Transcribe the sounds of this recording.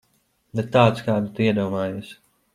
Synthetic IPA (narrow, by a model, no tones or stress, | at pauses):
bɛt̪ːaːt̪skaːd̪ut̪uiɛd̪uɔmaːjus